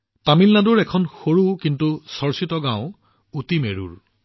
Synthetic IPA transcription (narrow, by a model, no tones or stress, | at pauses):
tamilnaduɹɛkʰɔnxoɹukintusɔɹsitɔɡãʊ̃ | utimeɹṵɹ